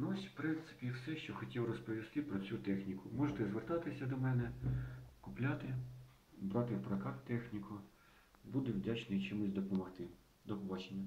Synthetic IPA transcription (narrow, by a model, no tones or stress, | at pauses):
nɔsʲwpɾɪnt̪sɪ̥pʲiwsɛʃt͡ʃɔxɔtʲiwrɔspɔʋʲist̪ɪpɾɔt͡sʲut̪ɛxnʲikʊmɔʒet̪ɛzʋert̪ɑt̪ɪsʲɐd̪ɔmɛnɛ | kʊplʲat̪ɪ | bɾɑt̪ɪwpɾɐkɑt̪ːɛxnʲikʰʊ | bud̪ɛwdʲat͡ʃnɪjt͡ʃɪmʊsʲd̪ɔpɔmɔxt̪ɪ | d̪ɔpɔbɑt͡ʃenʲːɐ